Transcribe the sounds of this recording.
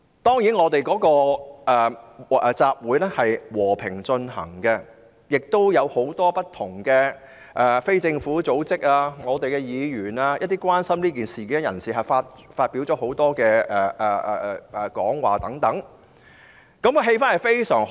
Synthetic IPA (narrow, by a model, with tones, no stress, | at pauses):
t̪ɔː˥ŋjiː˨˥nŋɔː˨˧t̪e˨jkɔː˨˥kɔː˧ʔɛː˨ɛ˨˧t͡saː˧p̚wuː˨˥jlɛ˥hɐ˨jwɔː˨˩pʰɪ˨˩ŋt͡ʃɵ˧nɦɐ̰˨˩ŋkɛ˧ | jɪ˨k̚t̪o˥wjɐ˨˧who˨˥wt̪ɔː˥pɐ˥tt̪ʰʊ˨˩ŋkɛː˧ | ʔɛː˨fe˥jt͡sɪ˧ŋfuː˨˥t͡so˨˥wt͡sɪ˥k̚aː˧ŋɔː˨˧t̪e˨jkɛ˧jiː˨˧jyː˨˩naː˧jɐt̚t̪iː˥kʷwaː˥nsɐ˥mnliː˥kiː˨nsiː˨˩ki˨˥˦jɐ˨˩nsiː˨˩ɦɐ˨jfaː˧t̚faː˧t̚piː˨˥wt͡ʃɔː˨˥ɦo˨˥wt̪ɔː˥kɛː˧ɛː˨˩ʔɛ˨˩˨ɛ˨kɔː˨˥ŋwa̰ː˨˩t̪ɐ˨˥ŋt̪ɐ˨˥ŋ | kɐ˨˥m˧ɦe˧jfaː˥nhɐ˨˩jfe˥jsœː˨˩ŋ